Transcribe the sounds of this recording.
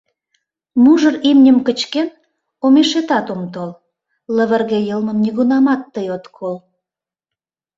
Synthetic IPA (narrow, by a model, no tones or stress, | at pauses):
muʒərimnʲəmkət͡ɕken | omeʃet̪ɑt̪omt̪ol | ləβə̆rɣejəlmə̆mnʲiɣunɑmɑt̪ːəjot̪kʰol